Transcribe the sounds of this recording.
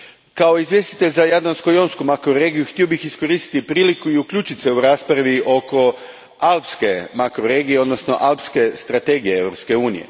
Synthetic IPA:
kao̞izʋje̞st̪i̥t̪e̞ʎʲzajad̪lanskojonskumakɾoɾe̞ːɡijuxt̪io̞bixisko̞ɾist̪i̥t̪ipɾiːlikuiukʎʲuːt͡ʃit̪seuɾaːspɾaʋiʔo̞ko̞ | alˠpske̞makɾoɾe̞ːɡijeo̞d̪nosno̰ʔalpske̞st̪ɾat̪e̞ːɡije̞eʋɾo̞pske̞uːnḭjḛ

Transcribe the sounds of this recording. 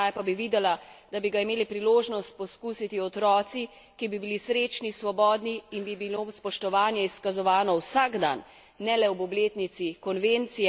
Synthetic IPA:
ajpabiʋiːd̪ɛlad̪̥abiɡaimeːlipɾiloːʒnɔst̪̚pɔskuːsit̪iɔt̪ɾɔːt̪si | kibibilisɾeːt͡ʃnisʋɔbɔːd̪niːnbibilospɔʃt̪ɔʋaːnjɛiskazɔʋaːnɔwsaɡd̪a̰nː | ɛlɛwbɔbleːt̪nit̪sikɔnʋent̪sijɛ

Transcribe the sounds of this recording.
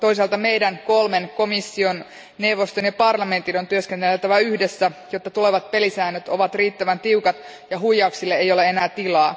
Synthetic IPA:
t̪o̞is̬ɑlt̪ɑme̞jdænkolmenko̞misːion | newʋost̪onjɑpɑrlɑme̞nt̪inont̪yøskent̪elelt̪æʋæyhdesːæjot̪ːɑt̪ule̞ʋɑt̪̚pe̞lisæːnːøt̪oʋɑt̪riːt̪ːæʋænt̪iukɑt̪ | jɑɦujːɑuksilːeejo̞leenæːt̪ilɑː

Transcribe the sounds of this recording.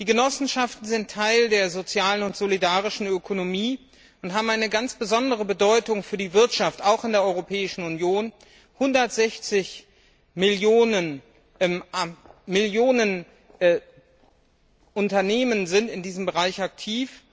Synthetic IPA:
d̥iːɡənɔsn̩ʃaftn̩zɪntʰːaɪldeːɐzot͡sjaːlənʊntz̥olidaːʁɪʃn̩økʰonomiː | ʊntɦaːbmaɪnəɡant͡sb̥əzɔndəʁ̞əbədɔʏtʊŋfyːɐdiːvɪɐtʃaftaʊxɪndeːɐʔɔʏʁopʰɛːɪʃn̩ʊnjoːn | hʊndɐtz̥ɛçt͡sɪç | mɪljoːnən | mɪljoːnən | ʔʊntɐneːmənzɪntɪndiːzəmbəʁaɪçak̚tʰiːf

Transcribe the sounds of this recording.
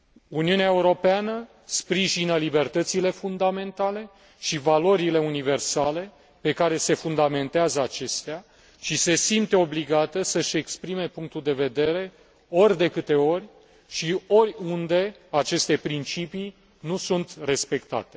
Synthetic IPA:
uniuneaeuɾo̞peanə | spɾiʒinəlibe̞rt̪ət̪sile̞fund̪ame̞nt̪ale̞ | ʃivalo̞ɾile̞unive̞rsale̞ | pe̞kaɾe̞se̞fund̪ame̞nt̪eazəat͡ʃe̞st̪ea | ʃise̞simt̪e̞o̞bliɡat̪əsəʃe̞kspɾime̞puŋk̚t̪uld̪e̞ve̞d̪e̞ɾe̞ | o̞rʲd̪e̞kɨt̪e̞o̞rʲ | ʃio̞rʲund̪e̞at͡ʃe̞st̪e̞pɾint͡ʃipi | nusunt̪re̞spe̞kt̪a̰t̪e̞

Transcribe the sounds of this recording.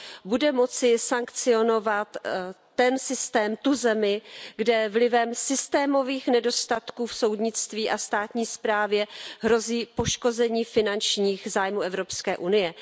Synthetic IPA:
budɛmo̞t͡sɪsaŋkt͡sɪo̞no̞vat̪ː | ɛnsɪst̪ɛːmt̪uzɛmɪɡdɛvlɪvɛmsɪst̪ɛːmo̞viːxnɛdo̞st̪at̪kuːfso̞wdɲɪt͡st̪viːʔast̪aːt̪ɲiːspɾaːvjɛɦɾo̞ziːpo̞ʃko̞zɛɲiːfɪnant͡ʃɲiːxzaːjmuːʔɛvɾopskɛːʔunɪjɛ

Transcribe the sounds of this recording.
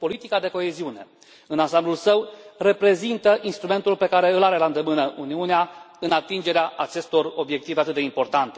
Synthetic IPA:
po̞lit̪ikad̪e̞ko̞e̞ziune̞̰ | ɨnansamblulsəwre̞pɾe̞zint̪əʔinst̪ɾume̞nt̪ulpe̞kaɾe̞ɨlaɾe̞land̪emɨnəʔuniunea | ɨnat̪ind͡ʒe̞ɾeaʔat͡ʃe̞st̪o̞ro̞bje̞k̚t̪iveat̪ɨt̪d̪eimpo̞rt̪ant̪e̞

